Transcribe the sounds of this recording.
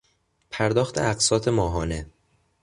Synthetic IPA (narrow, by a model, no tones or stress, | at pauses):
pʰæɾd̪ɒːxt̪ʰḛʔæqsɒːt̪ʰe̞mɒːɦɒːne